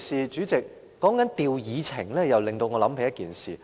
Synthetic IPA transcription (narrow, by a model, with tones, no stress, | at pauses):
siː˨t͡ʃyː˨˥t͡sɪ˨k̚ː | ɔː˨˥ŋkɐ˨˥nt̪iː˨wjiː˨˧t͡sʰɪ˨˩ŋlɛː˥jɐ˨wlɪ˨˩ŋt̪o˧wŋɔː˨˧lɐ˨˥mpʰe˨˩jɐ˥t̚kiː˨˩nsiː˨˩